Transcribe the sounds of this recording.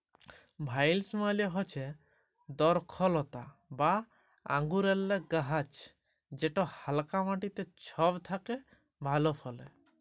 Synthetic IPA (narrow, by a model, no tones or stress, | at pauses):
bʱajlsmaliɔɦɔt͡ʃʰe | d̪ɔɾkʰɔlɔt̪aba | a̰ŋɡuɾɛlːeɡaɦat͡ʃ | d͡ʒeʈɔhalkamaʈit̪et͡ʃʰɔbt̪ʰake | bʱalɔpʰɔlḛ